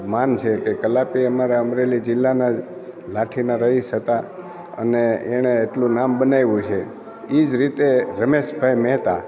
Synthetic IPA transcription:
mant͡ʃʰekekəlapiəmaɾaəmɾelid͡ʒɪlːana | laʈʰinaɾəɦiʃət̪a | ə̰neeɽ̃eːʈlũnambənajʋũt͡ʃʰe | id͡ʒɾit̪eɾəmeʃbʱaimɛɦt̪a

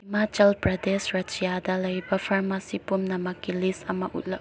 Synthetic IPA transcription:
imat͡ʃɐlpɾɐdesɾɐt͡ʃijadɐlɐjbɐpʰaɾmasipumnɐmɐkːilisɐmɐʔṵt̚lɐ

